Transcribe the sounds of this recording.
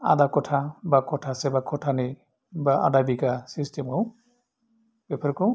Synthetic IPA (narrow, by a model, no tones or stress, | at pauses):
a̰dakɔtʰabakʰɔtʰasɛbakʰɔtʰani | baa̰dabiɡasistemkʰɔw | bepʰeɾkɔw